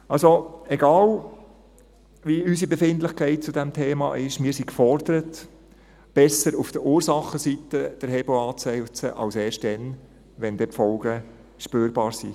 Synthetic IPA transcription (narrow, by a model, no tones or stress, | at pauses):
ɑlsoɛɡɑːl | ʋiysibefɪntlɪχkʰɛɪt̚t͡sudɛmtʰeːmɑ̰ʔɪʃmɪːɾsikfɔɾd̥̪əɾət | b̥ɛsəɾufd̥əɾuːɾsɑχːəsit̪əd̪̥əɾhɛboɑːt͡sɛɪt͡səʔɑ̰lseːrʃt̚dɛn | ʋɛnd̥̪ɛtfɔlɡə | ʃpøːɾbɑːɾsḭ